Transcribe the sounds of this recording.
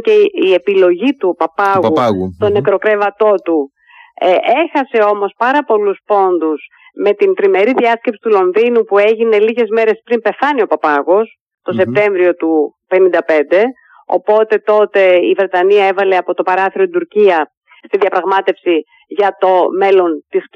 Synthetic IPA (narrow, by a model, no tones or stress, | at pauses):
ceie̞pilo̞ʝit̪upɐpɐɣust̪o̞ne̞kɾo̞kɾe̞vɐt̪o̞t̪u | e̞xɐse̞o̞mo̞spɐɾɐpo̞luspo̞nd̪us | me̞t̪int̪ɾime̞ɾiðiɐscepsi̥t̪ulo̞nðinupue̞ʝine̞liʝe̞zme̞ɾe̞spɾimpe̞θɐnio̞pɐpɐɣo̞s | t̪o̞se̞p̚t̪e̞ɱvɾio̞t̪upe̞nind̪ɐpe̞nd̪e̞ | o̞̰po̞t̪e̞t̪o̞t̪e̞ivɾe̞t̪ɐniɐevɐleɐpo̞t̪o̞pɐɾɐθiɾot̪id̪uɾciɐ | st̪iðiɐpɾɐɣmɐt̪e̞fsi | ʝɐt̪o̞me̞lo̞nt̪is